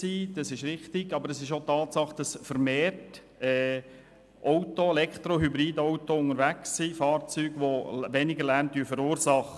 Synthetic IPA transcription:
siːd̥ɑsɪʃɾɪχtɪɡɑbəɾəsɪʃotɑːtsɑχd̥ɑsfəɾmeːrt | ɛː | ʔɔwtoɛlɛktɾoɦybɾiːdowtoʊŋəɾʋæksːiːfɑːɾt͡syːɡʋoʋɛnɪɡəlæɾntyːfəɾuːɾsɑχə

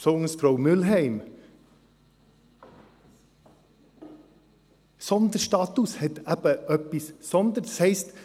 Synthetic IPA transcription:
sɔŋəsfɾomʉlɦæɪm | sɔnd̪əɾst̪ɑːt̪ushɛt̪æpəʔœpɪssɔnd̪əɾsæɪst̪

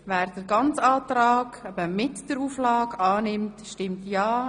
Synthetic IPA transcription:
væːɾd̥əɾɡɑnt͡sɑːtɾɑːɡ̥ɛbəmɪtd̥əɾuːflɑːɡɑːnɪmtʃtɪmtjɑː

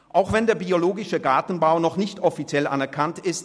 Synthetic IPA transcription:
ʔaʊxv̥ɛndeːɐbioloːɡɪʃəɡaːtn̩baʊnɔχnɪçtʔɔfit͡sjɛla̰nɛɐkʰantɪst

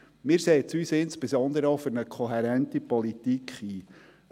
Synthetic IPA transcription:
mɪːɾseːtsyːsɪnspezɔnd̪əɾəofʏɾnəkʰχɔɦɛɾɛntipɔlit̪ikʰiː

